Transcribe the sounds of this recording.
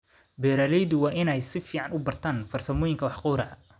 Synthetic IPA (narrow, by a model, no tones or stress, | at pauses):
bɛːɾɐːlɛjðʊwɑːʔɪnɛjsɪfiːʕɑnʊbɐrt̪ʰaːnfɐrsɐmɔːjɪŋkʰɐwɑħqʊːɾɐɐ